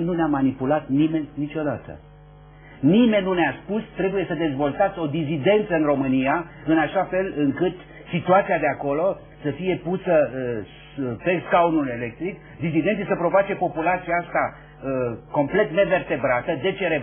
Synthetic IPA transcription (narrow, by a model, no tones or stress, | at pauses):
nuneamanipulat̪nime̞nʲnit͡ʃo̞d̪at̪ə̰ | nime̞nʲːuneaspust̪ɾe̞buje̞səd̪e̞zvo̞lt̪at̪sʲo̞d̪izid̪e̞nt̪səɨnro̞mɨnijaɨnaʃafe̞lɨŋkɨt̪ | sit̪uat̪siad̪e̞ako̞lo̞ | səfije̞pusə | pe̞skaunule̞le̞k̚t̪ɾik | d̪isid̪ent̪isəpɾo̞vat͡ʃe̞po̞pulat̪sijaast̪a | əko̞mple̞t̪ne̞ve̞rt̪e̞bɾat̪əd̪e̞t͡ʃeɾe